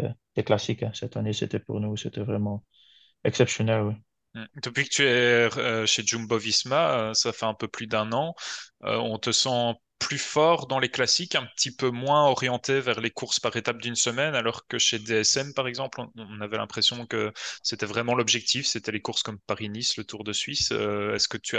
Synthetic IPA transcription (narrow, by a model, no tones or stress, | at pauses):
d̪̥eklasikasɛt̪anesḛt̪ɛpṵʁnuset̪ɛvʁɛmɑ̃ | ɛksɛpsjɔnɛlwi | d̪̥əpɥikə̥t̪yɛøʃed͡ʒumbɔvismaøsafɛɛ̃pøplyd̪ɛ̃nɑ̃ø̰ɔ̃t̪əsɑ̃ | plyfɔʁd̪ɑ̃leklasikɛ̃pət̪ʰipømwɛ̃ɔʁjɑ̃t̪evɛʁlekuʁspaʁet̪ap̚d̪ynsəmɛnalɔʁkəʃed̪eɛsɛmpaʁɛɡzɑ̃plɔ̃ɔ̃navɛlɛ̃pχesjɔ̃kəset̪ɛvʁɛmɑ̃lɔbʒɛk̚t̪ifset̪ɛlekuʁskɔmpaʁinislət̪uʁd̪əsɥisøɛskət̪ya